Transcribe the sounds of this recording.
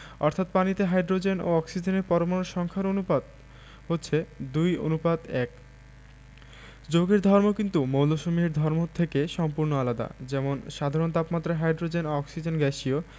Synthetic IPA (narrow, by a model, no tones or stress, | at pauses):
ɔɾt̪ʰat̪̚panit̪eɦajɖɾod͡ʑeno̰ɔksid͡ʑeneɾpɔɾomonoɾʃɔŋkʰaɾonupad̪ | ɦotːɕʰed̪ujo̰nupad̪ɛk | d͡ʑoɡeɾd̪ʱɔɾmokint̪umowloʃomiɾd̪ʱɔɾmot̪ʰekeʃɔmpuɾnoalad̪a̰d͡ʑɛmonʃad̪ʱaɾont̪apmat̪ːɾaɦajɖɾod͡ʑenoɔksid͡ʑenɡɛʃio